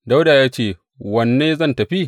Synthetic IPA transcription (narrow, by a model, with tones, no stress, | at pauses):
da˦wdaː˨jaː˦t͡ʃeː˦˨ | wɐ˨nːeː˦zɐ˦˨ntɐ˨ɸi˦